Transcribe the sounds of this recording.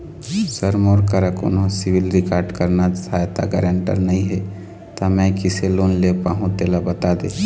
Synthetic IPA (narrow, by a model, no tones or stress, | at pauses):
səɾmoːɾkəɾəkʊ̰nɦõsɪʋɪlɾɪkaːɾɖkəɾnasəɦaːjt̪a̰ɡəɾə̃ɳʈə̰ɾnɐɦĩɦɛ | t̪amɛ̃kɪseloːnlepaːɦũt̪eːlabɐt̪ad̪eː